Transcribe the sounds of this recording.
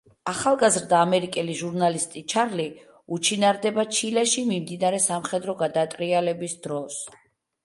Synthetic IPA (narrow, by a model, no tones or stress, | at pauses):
aχalˠɡazɾd̪aːmɛɾikʼɛliʒuɾnalist̪ʼit͡ʃʰaɾli | ut͡ʃʰinaɾd̪ɛbat͡ʃʰilɛʃimimd̪inaɾɛsamχɛd̪ɾɔɡad̪at̪ʼɾialɛbisd̪ɾɔs